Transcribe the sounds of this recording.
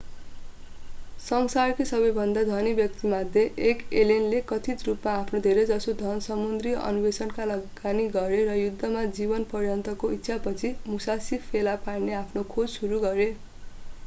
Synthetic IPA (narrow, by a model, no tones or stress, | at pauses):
sʌŋsarkesʌbʌjbʱʌnd̪ad̪ʱʌnibjʌk̚t̪imad̪ʱjeʔːkelenlekʌt̪ʰit̪rupmaːpʰnod̪ʱeɾed͡zʌsod̪ʱʌnsʌmund̪rijʔʌ̰nubesʌnkalʌɡaniɡʌɾeɾʌjud̪ʱːʌmad͡zibʌnpʌrjʌnt̪ʌkoit̪ːsʰapʌt͡sʰimusasipʰelaparneapʰnokʰod͡zsuɾuɡʌɾe